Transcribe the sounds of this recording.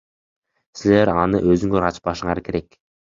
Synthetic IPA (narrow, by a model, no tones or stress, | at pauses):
sile̞ɾɑnɯ̰ʔøzyŋɡøɾɑt͡ʃpɑʃɯɴɑɾke̞ɾe̞k